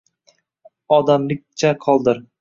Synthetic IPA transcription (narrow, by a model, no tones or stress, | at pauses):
ɒd̪amlɪk̚ʲt͡ʃʰaqʰɒlˠd̪ɪɾ